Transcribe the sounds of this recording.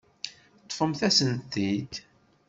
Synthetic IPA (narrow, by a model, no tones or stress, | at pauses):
t̪ˤːfəmθæsənt̪ːid̪